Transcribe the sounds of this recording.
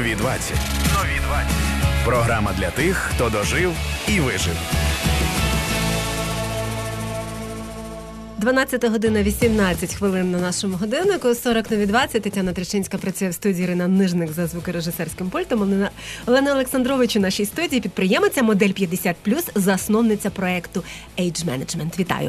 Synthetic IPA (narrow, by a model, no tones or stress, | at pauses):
ʋʲid̪ʋa̰t͡sʲːɐ̰tʲnɔʋʲid̪ʋat͡sʲɐtʲpɾɔɦɾɑmɐd̪lʲɐt̪ɪxːt̪ɔd̪ɔʒɪwiʋɪʒɪ̰w | d̪ʋɐnɑt͡sʲːɐt̪ɐɦɔd̪ɪnɐʋʲisʲimnɑt͡sʲːɐtʲxʋɪlˠɪnːɐnɑʃɔmʊɦɔd̪ɪwnɪkʊsɔɾɔknɔʋʲid̪ʋɑt͡sʲːɐt̚ʲt̪etʲːanɐt̪ɾet͡ʃɪnʲsʲkɐpɾɐt͡sʲujɛwst̪udʲiːiɾɪnɐnɪʒnɪkzɐzʋukɪɾeʒɪsɛrsʲkɪmpulʲt̪ɔmɔlˠɛnɐɔlˠeksɐnd̪ɾɔʋɪt͡ʃʊnɑʃijst̪udʲijipʲid̪̚pɾɪjɛmet͡sʲɐmɔd̪ɛlʲpʲjɐd̪esʲat̪̚plʲuszɐsnɔwnɪt͡sʲːɐpɾɔɛkt̪ʊ | ɛjd͡ʒmɛ̰nɐd͡ʒmɛnt̪ʋʲit̪ɑ̰jʊ̰